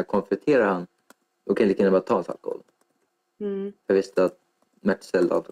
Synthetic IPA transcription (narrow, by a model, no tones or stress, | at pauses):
kʰɔnfɾɛt̪ʰeːɾaɾhan | d̪ɔkʰanlikaɪnːəbɑɾat̪ʰɑːɛnsa̰lkɔ̰hɔ̰l | fɑvɪst̪əat̪̚ | mæʈːsɛld̪a̰lt̪ʰ